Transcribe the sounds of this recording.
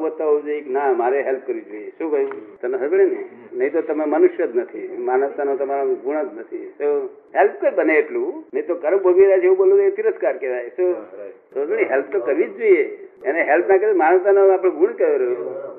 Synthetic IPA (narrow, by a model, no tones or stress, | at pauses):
ʋət̪ːaod͡ʒoiknamaɾeɦelp̚kəɾid͡ʒoijeʃũkəjut̪əneɦʰəbəɽeneinəɦĩt̪ot̪əmamənuʃjəd̪nət̪ʰimanəʋt̪anot̪əmaɾoɡʱuɽ̃ət̪nət̪ʰḭsoɦelp̚kəbəneːʈlũnəĩt̪okəɾəkbʱəʋiɾat͡ʃʰeũboloet̪iɾəskaɾkeʋajso | sod͡ʒəñiɦelp̚ʰt̪okəɾʋid͡ʒd͡ʒoieeneɦelpnakəɾmanəʋt̪anoapɽ̃ɡʱuɽ̃kəɾjoɾəɦe